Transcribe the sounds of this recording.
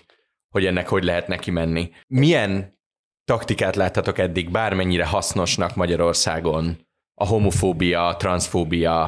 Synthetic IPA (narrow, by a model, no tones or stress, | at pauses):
ho̞ɟɛnːɛkho̞ɟlɛɦɛt̪nɛkimɛnːi | mijɛn | t̪ɒkt̪ikaːt̪laːt̪ːɒt̪o̞kɛd̪ːiɡbaːrmɛɲːiɾɛɦɒsno̞ʃnɒkmɒɟɒɾo̞rsaːɡo̞n | ɒɦo̞mo̞foːbijɒt̪rɒnsfoːbijɒ